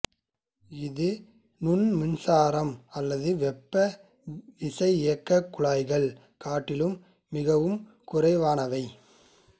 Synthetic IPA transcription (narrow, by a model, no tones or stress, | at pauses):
ɪðɯ | nʊnmʊnsaːɾɐmɐlːɐðɯʋɛpːɐ | ɪsɐɪɪjɐkːɐkːʊɭaːɪɣɐɭ | kaːʈːɪlɯmː | ɪɣɐʋɯm | kʊrɐɪʋaːnɐʋɐɪ